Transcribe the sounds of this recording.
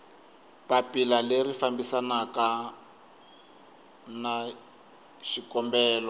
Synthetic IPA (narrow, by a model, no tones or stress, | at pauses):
papilalerifambisanaka | na | ʃikɔmbɛːlɔ